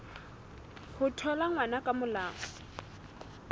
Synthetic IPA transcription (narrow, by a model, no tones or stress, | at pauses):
hʊtʰɔlaŋwanakʼamʊlaːŋɔ